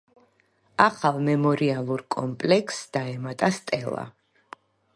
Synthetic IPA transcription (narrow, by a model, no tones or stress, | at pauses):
aχalˠmɛmɔɾialˠuɾkʼɔmpʼlɛksd̪̥aɛmat̪ʼast̪ʼɛlˠa̰